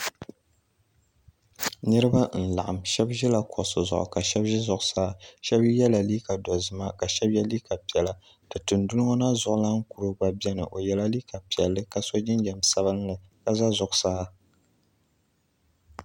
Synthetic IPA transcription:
nɨ˦ɾɨ˦ba˦n̩˨la̰˨ʔa˨mʃɛ˦bʒɛ˦la˨kʰɔ˨ʔsɨ˨zʊ̰˨ʔʊ̰˨ka˨ʃɛ˦bʒɛ˦zʊ˨ʔʊ˦˨saː˦ʃɛ˦bjɛ˦la˨liː˦ka˨dɔ˨zɨ˨ma˦ka˨ʃɛ˦bjɛ˦li˦ka˨pi˨ɛ˨la˨ | dɨ˨tɨ˨ndu˦lɨ˦ŋo˦na˦zʊ˨ʔʊ˨˦la˦ŋ̩˦ku˨ɾo˦ɡ͡ba˨bɛ˦nɨ̰˨ʔo˨jɛ˦la˦li˦ka˨pi˨ɛ˨lːɨ˦ka˦so˦d͡ʒɪ˦nd͡ʒɛ˨msa˦bɨ˦nː˦ɨ˨ka˦za˦zʊ˨ʔsaː˦

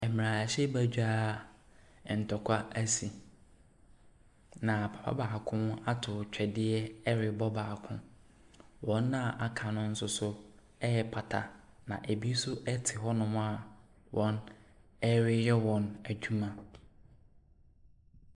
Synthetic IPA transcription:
ɛ˨m˨ɾã˨ɕɛ˦bæ˦d͡ʑᶣaː˦˨ | n̩˨tʰɔ˨kʷʰa˦æ˦si˨ | nã˨pʰḁ˨pʰa̰˦baː˨kʰʊ̃˦na˦tʰʊ˨t͡ɕᶣɛ˨dɪ˦ɛ˦ɛ˦ɾɪ˨bɔ˦baː˨kʰʊ̰̃˦ | wɔ̃˦nː˦ã˦˨ʔa˨kʰã˨nʊ̃˦n̩˦sʊ˦sʊ˦ | ɛ˦ɛ˨pʰa˨tʰa̰˨ | nã̰˨ʔe˨bi˦sʊ˦ʔɛ˦tʰɪ˨ɦɔ˦nʊ̃˦m̃˦a˨ | wʔɔ̃˨˦n | ɛ˦ɾɪ˦jɛ˦wɔ̃˨næ˨d͡ʑᶣu˦mã˨

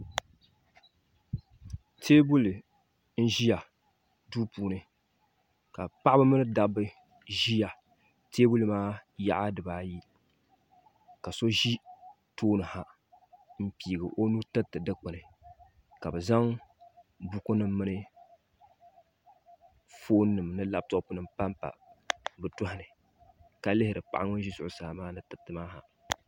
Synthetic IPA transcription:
tʰeː˦bu˦lɨ˨ | n̩˦ʒi˦ja˨ | duː˦puː˦nɨ˨ | ka˨pa˦ʔa˦bɨ˦mɨ˦nɨ˦da˨bɨ˦ | ʒi˦ja˨ | tʰeː˦bu˦lɨ˨maː˦ja˦ʔa˦dɨ˨baː˨ji˦ | ka˨so˦ʒi˦ | toː˦nɨ˨ha˨ | m̩˦pi˨ɡɨ˨ʔo˦nu˦tɨ˦tːɨ˨dɨ˦k͡pʊ˨nɨ˨ | ka˨bɨ˨za˦ŋ | bu˦kʊ˦nɨ˦m˦mɨ˦nɨ˦ | foː˦nːɨ˨mnɨ˦la˦b̚tɔ˦ʔʊ˦pu˨nɨ˨mpa˦mpa̰˨bɨ˨tʊ˦hɪ˨nɨ˨ | ka˨lɪ˦hɪ˨ɾɨ˨pa̰˨ʔa˦ŋʊ˦n˦ʒi˦sʊ˨ʔʊ˨sa˨hmaː˦nɨ˦tɨ˨tːɨ˨maː˦ɦa̰˨

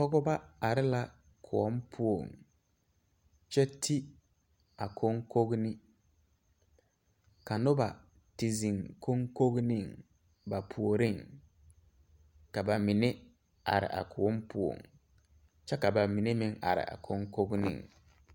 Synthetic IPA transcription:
tɔ˦ɡɔ˦ba˦a˨ɾɪ˦la˦ | kʰʊ˨ɔ˦mpʰʊ˦o˨ŋ | t͡ʃɛ˦tʰi˦ | a˨kʰo˦ŋ˦ko˦ɡnɪ˦ | ka˨nʊ˦ba˨ | ti˨zi˨ŋkʰo˦ŋko˦ɡnĩ˦˨ŋ | ba˨pʰu˨o˨ɾi˦˨ŋ | ka˨ba˨mi˨ne˦ | a̰˨ɾɪ̰˨ʔa̰˨kʰʊ˨ɔ˦mpʰʊ˦o̰˨ŋ | t͡ʃɛ˦ka˨ba˨mi˨ne˦mɪ̃˨ŋa̰˨ɾɪ̰˨ʔa̰˨kʰo˦ŋko˦ɡnḭ˨ŋ

